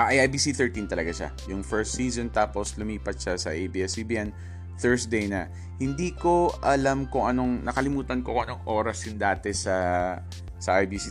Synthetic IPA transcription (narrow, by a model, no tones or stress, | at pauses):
ʔaʔajʔajbiːsiθɛɹt̪int̪ɐlɐɡaʃa̰jʊŋfɛɹst̪siːznt̪aːpo̞slʊmiːpɐt̪̚ʃasɐʔejbiːɛsibiːʔɛn | θɛɹsd̪ejnɐ | hɪnd̪iːko̞ʔɐlamkʊŋʔɐno̞ŋnɐkɐlɪmuːt̪ɐnkoŋʔɐno̞ŋʔoːɾɐsɪnd̪aːt̪ɛsɐ | sɐʔajbisi